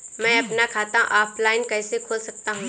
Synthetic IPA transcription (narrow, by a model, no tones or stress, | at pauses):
mɛ̃ɐpnakʰaːt̪ãʔaːplaːɪnkɛːsekʰoːlsɐk̚t̪aɦũː